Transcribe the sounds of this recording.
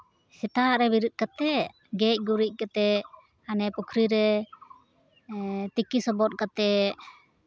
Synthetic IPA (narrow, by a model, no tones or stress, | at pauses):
sɛt̪aʔɾɛbiɾut̪̚ˀkat̪ɛ | ɡɛc̚ˀɡuɾic̚ˀkat̪ɛ | anɛpukʰɾiɾɛ | t̪ikisɔbɔt̪̚ˀkat̪ɛ